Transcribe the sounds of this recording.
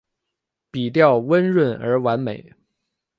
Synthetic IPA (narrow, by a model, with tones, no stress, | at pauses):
pi˨˩t̪̬jɑ˥˩ʊwə˥nɻwə˥˩nə˞˧˥wa˧˥nme˨˩˦ɪ